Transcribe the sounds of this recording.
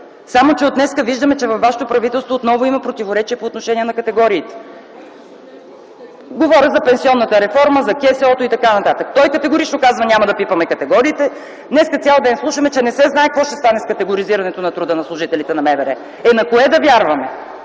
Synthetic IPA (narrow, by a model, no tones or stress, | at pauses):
samot͡ʃɛot̪nɛskəviʒd̪əmɛt͡ʃɛvɐfvːaʃɛ̥t̪opɾɐvit̪ɛlˠst̪voːt̪nɔvʊimɐpɾot̪ivoɾɛt͡ʃiɛpoːt̪noʃɛniɛnɐkɐt̪ɛɡɔɾiːt̪ɛ̥ | ɡovɔɾʲəzɐpɛnsiɔnːɐt̪əɾɛfɔɾməzɐkʲɛsɛɔt̪oit̪ɐkanɐt̪at̪əkt̪ɔjkət̪ɛɡʊɾit͡ʃnokazvɐnʲamɐd̪ɐpipɐmɛkɐt̪ɛɡɔɾiːt̪ɛ | d̪nɛskət̪ʲjalˠd̪ɛnslˠuʃəmɛt͡ʃɛnɛsɛznaɛkvɔʃt̪ɛ̥st̪anɛskɐt̪ɛɡʊɾiziɾɐnɛt̪onɐt̪ɾud̪ənɐslˠʊʒit̪ɛlit̪ɛnɐmɛvɛɾɛ | ɛnɐkoɛd̪ɐvjaɾvɐmɛ